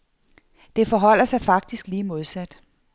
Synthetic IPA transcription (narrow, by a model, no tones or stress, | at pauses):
d̥e̝fɒ̽ɦɒ̽l̰ɐsɑ̈ɪfɑ̈ɡ̥̚d̥isɡ̥liːmo̝ð̞ˠsæd̥